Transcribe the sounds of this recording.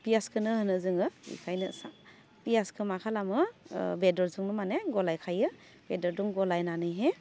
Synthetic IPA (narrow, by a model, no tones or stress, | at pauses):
pijaskʰɯnɯhɯnɯzɯŋɯḭkʰajnɯsa | pijaskʰɯmakʰalamɯbedɔɾzuŋnɯmaneɡɔlajkʰajɯ | b̥edɔɾduŋɡɔlajnanɯjɦe